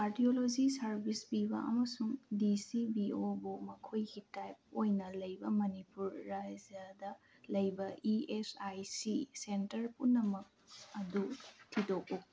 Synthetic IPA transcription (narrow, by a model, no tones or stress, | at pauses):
kaɾdiolod͡ʒisɐɾbʱispibɐ̰ʔɐ̰mɐsuŋdisibiobumɐkʰojɡitajp̚ojnɐlɐjbɐmɐnipuɾːajzɐdɐ | lɐjbɐʔiesajsisentɐɾpunːɐmɐk̚ɐdutʰitok̚uk̚